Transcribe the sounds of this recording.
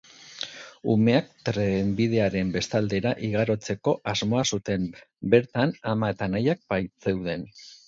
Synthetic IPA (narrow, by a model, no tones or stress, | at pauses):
ume̞ak̚t̪ɾembið̞e̞aɾe̞mbe̞st̪ald̪e̞ɾaʔiɣaɾo̞t͡se̞ko̞ʔazmo̞asut̪e̞mbe̞ɾt̪anamae̞t̪anajak̚bajt͡se̞wðe̞n